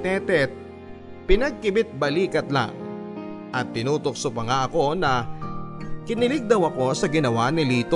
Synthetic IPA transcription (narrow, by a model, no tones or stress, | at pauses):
t̪ɛt̪ɛt̪̚ | pɪnɐɡ̚kɪbɪt̪̚bɐliːkɐt̪̚la̰ŋ | ʔɐt̪ːɪnuːt̪o̞k̚sʊpɐŋaʔɐko̞nɐ | kɪnɪlɪɡ̚d̪ɐwɐko̞sɐɡɪnɐwanɪliːt̪o